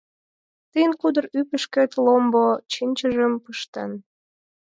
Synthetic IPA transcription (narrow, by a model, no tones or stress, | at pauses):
t̪əjənkud̪ərypəʃket̪lombot͡ɕinʲt͡ɕəʒəmpəʃt̪en